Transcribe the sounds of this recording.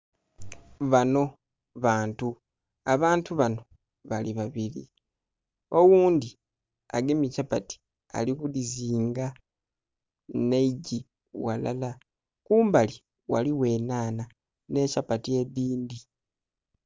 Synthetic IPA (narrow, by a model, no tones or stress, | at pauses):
βano̞ | βaːntu | aβaːntuβano̞ | βaliβaβilḭ | o̞wuːndi | a̰ɡemicapati̥ | a̰likuliziːŋɡa | neiɟi | wa̰la̰la | kuːmbali | wa̰liwe̞ːnaːna | ne̞capatie̞βiːndi